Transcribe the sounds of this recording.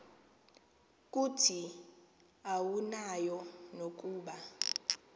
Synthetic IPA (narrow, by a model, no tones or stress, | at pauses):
k̬ʼutʰi | awunajɔnok̬ʼuːɓa